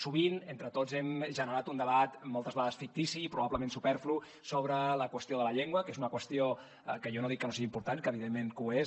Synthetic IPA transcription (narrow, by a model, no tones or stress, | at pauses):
suβinent̪ɾət̪ozɛmʒənəɾat̪und̪əβat̪mːɔlˠt̪əzβaðəsfik̚t̪isiːpɾuβaβləmẽnsupɛɾflu | soβɾələkwəst̪ioðələʎeŋɡwəkezunəkwəst̪ijo | kəjonoð̞ikːənosiɣimpuɾt̪ankəβiðemːeŋkue